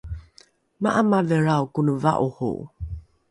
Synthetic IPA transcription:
maʔamaveɾawkunəva̰ʔuhṵʔ

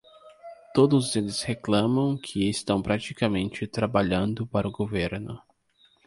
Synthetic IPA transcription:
t̪od̪ʊzelɪsheklɐ̃mɐ̃w̃kʰɪest̪ɐ̃w̃pɾat͡ʃikamẽnt͡ʃɪt̪ɾabaʎɐ̃nd̪ʊpaɾɐʊɡoveɾnʊ

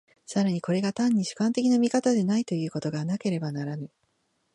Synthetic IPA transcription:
saɾaɲ̟iko̞ɾe̞ɡat̪ãɲ̟ːiɕɨ̥kãnt̪e̞kʲinamʲikat̪ad̪e̞nait̪o̞jɯ̟ːko̞t̪o̞ɡanake̞ɾe̞banaɾanɯ

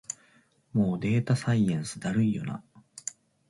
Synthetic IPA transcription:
mo̞ːd̪e̞ːt̪asaiẽɰ̃sɨd̪aɾɯ̟ijo̞̰na̰

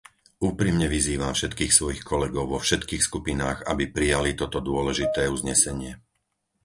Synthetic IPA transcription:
uːpɾimɲɛʋiziːʋamfʃɛt̪kiːxsʋɔjixkʰɔlɛɡɔʊʋɔfʃɛt̪kiːxskupinaːɣa̰bipɾijalit̪ɔt̪ɔd̪ʊɔlɛʒit̪ɛːuzɲɛsɛɲɪɛ

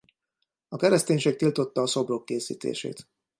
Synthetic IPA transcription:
ɒkɛɾɛst̪eːɲʃeːk̚t̪ilt̪o̞t̪ːɒːso̞bro̞kːeːsḭːt̪ḛːʃḛːt̪

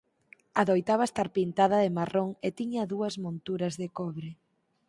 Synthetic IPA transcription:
aðojt̪aβast̪aɾpint̪aðɐðɪmaroŋet̪iɲɐðuɐzmõnt̪uɾɐzðɪkɔβɾɪ

